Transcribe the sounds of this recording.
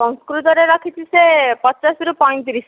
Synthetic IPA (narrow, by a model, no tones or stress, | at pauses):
ɔ̃ŋskɾut̪ɔɾeɾakʰit͡ɕʰisepɔ̃t͡ɕasiɾupɔjnt̪̬iɾiʃ